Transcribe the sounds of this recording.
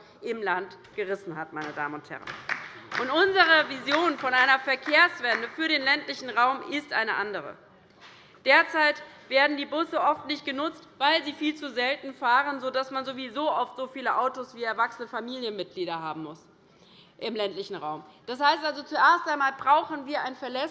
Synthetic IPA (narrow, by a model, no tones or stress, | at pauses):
ʔɪmlant | ɡ̥əʁɪsn̩hatmaɪnəda̰ːmənʊnthɛ̰ʁə̰nʔʊntʔʊnzəʁ̞əvizjoːnfɔnʔaɪnɐfɛɐkʰeːɐsv̥ɛndəfyːɐɾeːnlɛntlɪçn̩ʁaʊmʔɪstʔa̰ɪnəʔandəʁ̞ə̰ | d̥eːɐt͡saɪtv̥eːɐdn̩diːbʊsəʔɔftnɪçt̚ɡ̥ənʊt͡stv̥aɪlziːfiːlt͡suzɛltn̩faːʁənzodasmanzovizoːʔɔftz̥ofiːləʔaʊtosv̥iːɛɐvaksənəfamiːljənmɪt̚ɡ̥liːɾɐhaːbm̩mʊs | ʔɪmlɛntlɪçn̩ʁaʊmd̥ashaɪstʔalzot͡suʔeːɐstʔaɪnmaːlbʁaʊxn̩viːɐʔaɪnfɛɐlɛs